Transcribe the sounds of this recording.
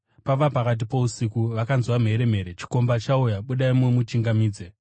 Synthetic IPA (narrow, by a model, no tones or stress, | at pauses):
paʋapakat̬ipo̞usikuʋakanzwam̤e̞ɾe̞m̤e̞ːɾe̞t͡ʃi̥ko̞mbat͡ʃaujaɓuɗaimumut͡ʃiŋɡamiːd͡ze